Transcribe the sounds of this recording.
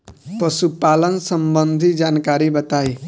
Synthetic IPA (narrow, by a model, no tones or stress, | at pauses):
pəsupalənsəmbənd̪ʱid͡ʒankaɾibət̪aj